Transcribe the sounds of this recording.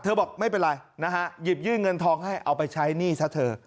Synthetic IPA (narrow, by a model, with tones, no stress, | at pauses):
t̪ʰɤː˧bɔː˨˩k̚ma˥˩jpe˧nɾa˧jna˦˥kʰa˦˥ji˨˩p̚jɯː˥˩nŋɤ˧nt̪ʰɔː˧ŋha˥˩jʔa˧wpa˧jt͡ɕʰa˦˥jniː˥˩sʰa˦˥t̪ʰɤː˧